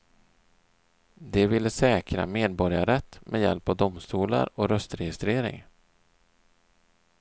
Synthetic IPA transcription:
d̪ɛvɪlːəsɛːkɾa̰meːd̪̚bɔɾjaɾɛt̪ːmʔɛjɛ̰lpavd̪ʊmst̪uːla̰ɾɔɾœst̪ɾɛjɪst̪ɾeːɾɪ̰ŋ

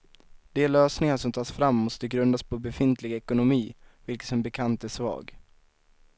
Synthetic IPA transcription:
d̪̥eːløːsnɪŋaʂɔmt̪ʰɑːsfɾamːɔst̪əɡɾɵnd̪aspʰɔbɛfɪnt̪ʰlɪɡɛkʊnʊmiːvɪlkə̥sɔmbɛkʰant̪æʂvɑ̰ːɡ

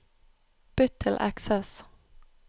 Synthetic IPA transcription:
b̥ʏt̪ʰɪlʔæ̰ksɛs

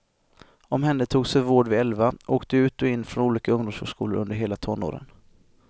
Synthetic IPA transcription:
ɔmɦɛnd̪ət̪ʰuːɡsɛvoːɖvɪɛlvaʔoːkt̪əʉ̟ːt̪ɔɪnːfɾɔnuːliːkaɵŋd̪ʊmshœ̰lʂkʰuːləɾɵnd̪əɾɦeːlat̪ʰɔnːo̰ːɾə̰n

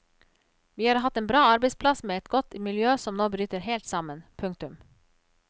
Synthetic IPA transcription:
ʋiːhɑːɾɦɑt̪ːeːnbɾɑːɑɾbɛɪspʰlɑsmeːɛt̪ɡɔt̪ːmɪljøːsɔmnoːbɾyːt̪əɾheːlt̪sɑmənpʰʉŋk̚t̪ʉm

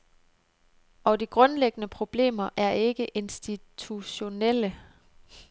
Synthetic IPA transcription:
ɒ̽d̥iɡ̥ʁɔ̽nleɡ̥ənəpʰʁo̝b̥le̝̰ːmɐʔæɐe̝ɡ̥əʔe̝nsd̥it͡sʰuɕo̝nel̰ə

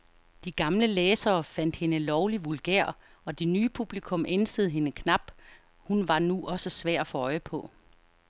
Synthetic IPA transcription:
d̥iɡ̥ɑ̈mləleːsɐːfæn̰d̥he̝nəlɒʊliʋulɡ̥eɐ̰ | ɒ̽d̥e̝nyːpʰub̥likʰɔ̽mʔensəð̩ˠɦe̝nəkʰnɑ̈b̥ | hunʋɑ̈nuʔɒ̽səsʋæɐ̰̥ɒfɔɒ̽ɪəpʰɒ̽

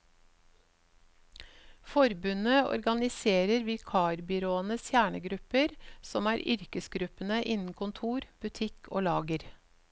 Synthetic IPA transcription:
fɔɾbʉnəʔɔ̰ɾɡɑnɪseːɾəɾʋɪlkʰɑːɾbʏɾoːənəsjæːɳəɡɾʉpəɾsɔmæːɾʔʏ̰ɾkəsɡɾʉpənəʔɪnn̩kʰʊnt̪ʰuːɾb̥ʉt̪ʰɪkʰo̰ːlɑːɡəɾ

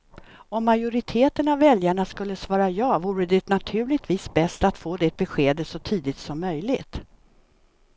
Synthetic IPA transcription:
ɔmːajʊɾɪt̪ʰeːt̪ənavːɛljaɳaskɵlːəsvɑːɾajɑːvuːɾəd̪ɛt̪nat̪ʰʉ̟ːlɪt̪viːsbɛst̪at̪foːd̪ɛt̪̚bɛɧeːd̪əsɔt̪ʰiːd̪ɪt̪sɔmːœjlɪɡt̪

